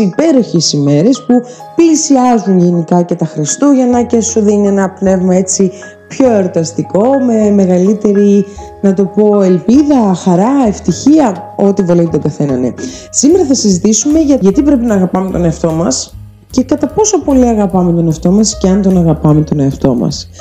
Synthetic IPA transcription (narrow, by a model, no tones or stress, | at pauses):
ipe̞ɾo̞çesime̞ɾe̞spu | piisiɐzunʝenikɐce̞t̪ɐxɾest̪uʝɐnɐcesoðinienɐpne̞vmɐe̞t͡si | pço̞eɾot̪ɐst̪iko̞me̞me̞ɣɐlit̪e̞ɾi | nɐt̪o̞po̞e̞lpiðɐxɐɾɐe̞ft̪içiɐo̞t̪ivolevut̪t̪o̞ɡɐθe̞nɐnḛ | simeɾɐθɐsizit̪isume̞ʝɐʝɐt̪ipɾe̞pinɐːɣɐpɐme̞t̪o̞neɐft̪o̞mɐs | ce̞kɐt̪ɐpo̞so̞po̞liɐɣɐpɐmet̪o̞neɐft̪o̞mɐsceɐnt̪o̞nɐɣɐpɐmet̪o̞ne̞ɐft̪o̞̰mɐ̰s